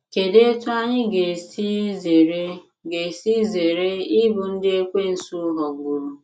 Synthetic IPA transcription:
ke˨de˦e˦tʊ˦a˦ɲɪ˦ɡe˨si˦ze˨ɾe˦ | ɡe˨si˦ze˨ɾe˦i˦bʊ˨n̩˦dɪ˦e˦kʷe˦n̩˨˦su˦ɦɔ˨ɡu˨ɾu˨

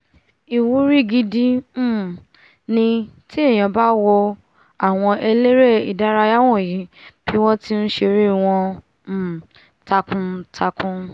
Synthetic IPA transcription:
i˨wu˨˦ɾi˦˨ɡi˧di˦˨ | nĩ˧ti˦e˦˨j̃ã˨ba˦wɔ˧ | a˨w̃ɔ̃˧ʔe˧le˦ɾe˦˨i˨da˨˦ɾa˧ja˦w̃ɔ̃˦˨ji˨˦b̥i˦w̃ɔ̃˦ti˦n̩˦ʃe˧ɾi˦w̃ɔ̃˧˨ | ta˧kũ˧tʰa˧kũ˧

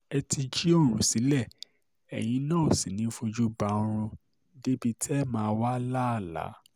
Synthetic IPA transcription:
ɛ˧ti˧d͡ʒi˦o˦˨ɾ̃ũ˨si˨˦lɛ˦˨ | ɛ̰˨j̃ĩ˧˦nãː˦˨o˨si˨nĩ˨˦fo˧d͡ʒu˦ba˧˦˧ɾ̃ũ˧ | de˦bi˧tɛ˦mãː˧wa˦la˦˨la̰˨˦

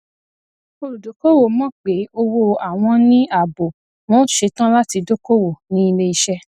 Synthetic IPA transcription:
o˦˧ɾu˨do˨˦ko˦wo˦˨mɔ̃˦˨k͡pe˨˦o˧wo˧a˨w̃ɔ̃˧nĩ˦a˦˨bo˨ | m̃ɔ̃˦ʃe˧tã˦la˦ti˧do˦ko˦wo˨nĩ˦i˧le˧i˧ʃɛ˦

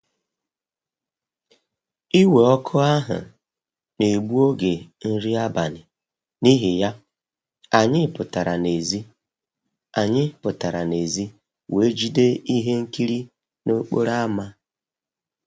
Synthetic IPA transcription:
i˦we˨ɔ˦kʰʊ˦a˦ɦʊ̰˨ | ne˨ɡ͡bu˦o˦ɡe˨n̩˦ɾi˦a˦ba˨nɪ˨ | ni˦ɦɪ˨ja˦ | a˨ɲɪ˦pʊ˨ta˨ɾa˨ne˨zi˦ | a˨ɲɪ˦pʊ˨ta˨ɾa˨ne˨zi˦ | we˨˦d͡ʒi˦de˦i˦ɦe˦ŋ̩˦ki˦ɾi˦ | no˦k͡po̰˦ɾa˦ma˦

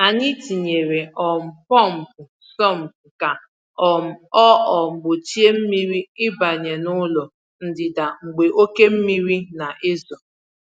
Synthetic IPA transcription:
a˨ni˦ti˨ɲe˨ɾe˨ʔɔ˨m̩˨pɔ˦m̩˨pʊ˨ | sɔ˦˨m̩˨bka˨ | ɔ˨m̩˨ɔ˦ʔɔ˨ŋ͡m̩˨ɡ͡bo˨t͡ʃi˦e˦m̩˦mi˦ɾi˦ɪ˦ba˨ɲe˨nʊ˦lɔ˨ | n̩˦dɪ˨da˨ŋ͡m̩˨ɡ͡be˨ʔo˦ke˦m̩˦mi˦ɾi˦na˨ʔɪ˦zɔ˨

